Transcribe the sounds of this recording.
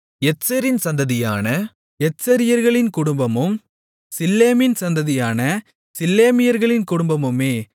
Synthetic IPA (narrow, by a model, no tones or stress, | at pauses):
ɛsɐɾɪnsɐnd̪ɐðɪjaːnɐ | ɛsɐɾɪjɐɾɣɐɭɪnkʊɽʊmbɐmɯm | sɪlːeːmɪnsɐnd̪ɐðɪjaːnɐ | sɪlːeːmɪjɐɾɣɐɭɪnkʊɽʊmbɐmɯmeː